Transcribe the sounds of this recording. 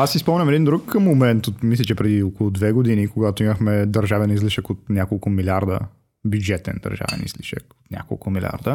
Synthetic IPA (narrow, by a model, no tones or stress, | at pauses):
asːispɔmnʲɐmɛd̪ind̪ɾukmomɛnt̪ot̪mislʲɛt͡ʃɛpɾɛd̪iokolˠod̪vɛɡod̪inikoɡat̪oimɐxmɛd̪ɐɾʒavɛnizliʃəkot̪nʲakolˠkʊmilʲaɾd̪ə̰ | bjud͡ʒɛt̪ɛ̰nd̪ɐ̰ɾʒa̰vɛ̰nḭzlḭʃə̰ko̥t̪nʲʔa̰ko̰lˠkʊmilʲa̰ɾd̪ə